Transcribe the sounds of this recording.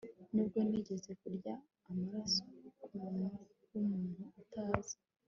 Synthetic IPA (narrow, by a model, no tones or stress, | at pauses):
nib̚ɡo̞niɟe̞ze̞kuɾɟaː | maɾaso̞kumuːnu | wumuːn̥huataːzi̥